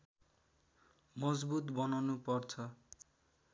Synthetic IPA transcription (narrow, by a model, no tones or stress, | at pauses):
mʌd͡zbut̪bʌnʌnupʌrt͡sʰʌ